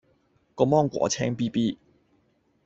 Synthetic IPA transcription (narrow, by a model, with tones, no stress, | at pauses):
kɔː˧mɔː˥ŋkʷɔ̰ː˨˥t͡sʰɛː˥ŋpiː˥piː˥